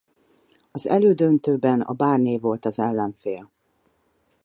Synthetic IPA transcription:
ɒzɛ̰løːd̪ønt̪øːbɛnɒ̰baːrneːvo̞lt̪ɒzɛlːɛɱfeːl

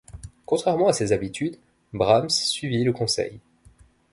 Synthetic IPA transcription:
kɔ̃t̪χɛʁmɑ̃asezabit̪ʰyd̪ | bʁamsːɥiviləkɔ̃sɛ̰j

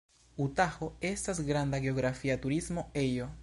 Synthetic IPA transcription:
ut̪axoest̪aesɡɾand̪aɣeoɣɾafiat̪uɾizmoejo

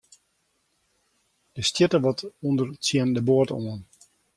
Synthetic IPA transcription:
d̥əstjɪtəʋɔtundərt͡sjɛndəboətoən

